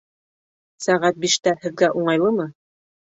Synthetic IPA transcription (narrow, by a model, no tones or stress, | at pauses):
sæʁæt̪̚biʃt̪æhɘ̆ðɡæʔuɴɑjlˠɤmɤ